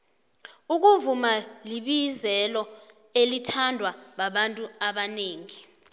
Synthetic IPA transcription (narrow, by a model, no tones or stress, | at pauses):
uk̬uvumaliɓizɛlɔ | elitʰandʱwaɓaɓantʼuaɓaneːŋi